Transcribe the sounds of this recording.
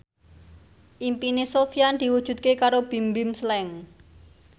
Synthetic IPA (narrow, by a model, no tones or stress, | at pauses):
ʔimpinesofijand̪̥i̤wud̥ʒ̥ṳd̪̚kekaɾob̥i̤mbɪmslɛŋ